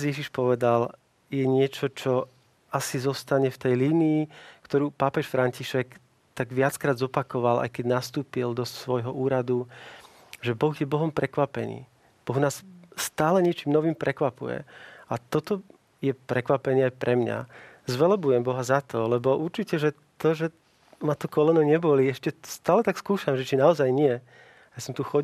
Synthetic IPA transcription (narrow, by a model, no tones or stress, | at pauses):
zjɛʒiʃpɔʋɛd̪al | jɛɲɪɛt͡ʃɔt͡ʃɔ | asizɔst̪aɲɛft̪ɛjliniːkt̪ɔɾuːpapɛʃfɾaɲciʃɛk | t̪aɡʋɪat͡skɾaːd̪zɔpakɔʋalʔa̰jkɛɟnast̪uːpild̪ɔsʋɔjɦɔʔuːɾad̪u | ʒɛbɔɣjɛbɔɦɔmpɾɛkʋapɛnḭː | b̥ɔɣnaːsst̪aːlɛɲɪɛt͡ʃiːmnɔʋiːmpɾɛkʋapṵjɛ̰at̪ɔt̪ɔ | jɛpɾɛkʋapɛniːajpɾɛmɲa̰zʋɛlɔbujɛmbɔɦazat̪ɔlɛbɔʔuɾt͡ʃicɛʒɛ | t̪ɔʒɛ | mat̪ɔkɔlɛnɛɲɛbɔliɛʃcɛst̪aːlɛt̪akskuːʃamʒɛt͡ʃinaɔzajɲɪɛ | ajasɔmt̪uxɔ